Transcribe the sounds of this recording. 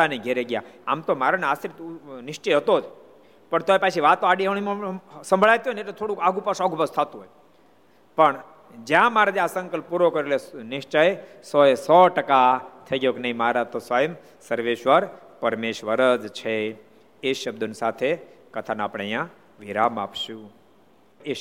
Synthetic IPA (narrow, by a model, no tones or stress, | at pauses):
aneɡʱeɾeɡjaamt̪omaɾaneasɾit̪nɪʃt͡ʃeɦət̪od͡ʒ | pəɳt̪oepat͡ʃʰiʋat̪ːoaɖiɦəʋɳ̃imãsə̃mbʱɭajt̪joneʈlet̪ʰoɽũkaɡũpəɾsɔɡʱbəst̪ʰat̪ũɦoj | pəɳ | d͡ʒjãmaɾad͡ʒasəŋkəlppːuɾokəɾelenɪʃt͡ʃae | sɔesɔʈəkat̪ʰəjɡjokenəɦĩmaɾat̪osʋəjəm | səɾʋeʃʋəɾpəɾmeʃʋəɾəd͡ʒt͡ʃʰeː | ʃəb̚d̪onsat̪ʰekət̪ʰanapɽejã | ʋiɾama̰pʃũ | e